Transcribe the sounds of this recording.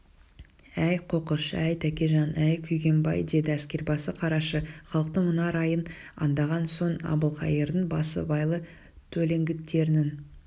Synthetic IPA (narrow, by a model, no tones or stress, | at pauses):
æjqʰo̞qəʃæjt̪ʰækʲeʒɑnʔæjkʲʰʏjɡʲe̞mbɑ̰jd̪e̞d̪ɪæskʲe̞ɾbɑsəqʰɑɾɑʃəχɑlˠəq̚t̪əmʊnɑɾɑjənɑ̰nd̪ɑʁɑnso̞nɑ̰bəlˠqʰɑjəɾd̪ənbɑsə̰bɑjlˠə | t̪ʰɵle̞ŋɡʲɪt̪ːe̞ɾɪnɪn